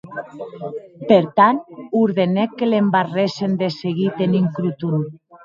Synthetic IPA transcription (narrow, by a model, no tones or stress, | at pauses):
peɾt̪anuɾðenekːelembaresend̪eseɣit̪eniŋkɾut̪un